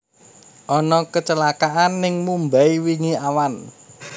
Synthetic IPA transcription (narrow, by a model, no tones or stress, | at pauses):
ʔɔnɔkət͡ʃəlakaʔanːɪŋmumbaiwiŋiawan